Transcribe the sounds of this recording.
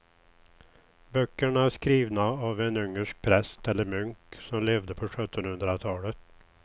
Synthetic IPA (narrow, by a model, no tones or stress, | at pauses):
bœkːəɳaæʂkɾiːvnaavɛnɵŋːəʂk̚pʰɾɛst̪ɛlːəɾmʏŋksɔmleːvd̪əpʰɔɧœt̪ːənhɵnd̪ɾat̪ʰɑːlət̪